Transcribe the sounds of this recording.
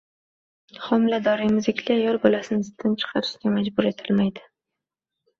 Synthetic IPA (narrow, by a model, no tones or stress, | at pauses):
χɒmɪlad̪ɒɾɪmɪzɪkʲʰlɪajɒlˠbolasɪnɪzɪt̪ʰːɪnt͡ʃʰɨ̥qʰɑɾɪʃɪɡʲamad͡ʒbʊɾe̞t̪ʰɪlmajd̪ɪ